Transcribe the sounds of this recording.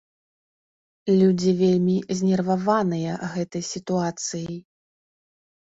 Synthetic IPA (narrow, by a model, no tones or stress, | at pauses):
lʲud͡zʲivʲelʲmʲizʲnʲɛrvavanɨjɐɣɛt̪ɐjsʲit̪uat̪sɨjij